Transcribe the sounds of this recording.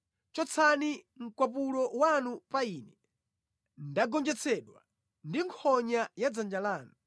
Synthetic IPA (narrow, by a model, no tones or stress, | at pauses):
t͡ʃɔt͡sʰani | ŋ̩kwapulɔwanupainɛ | ndaɡɔnd͡ʒɛt͡sʰɛɗwa̰ | ndiŋkʰɔɲajad͡zand͡ʒalaːnu